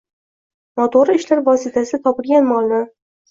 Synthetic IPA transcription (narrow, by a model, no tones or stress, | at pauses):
mot̪ʰoɾɪʃlaɾvɒsɪt̪ʰasɪt̪ʰɒpɪlɡʲanmɒlˠnɪ